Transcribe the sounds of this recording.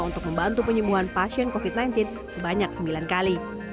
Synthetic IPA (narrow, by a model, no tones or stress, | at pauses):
unt̪ʊk̚məmbant̪upəɲəbuɦanpasiənkofit̪̚najnt̪ɪn | səbaɲak̚səmbilankali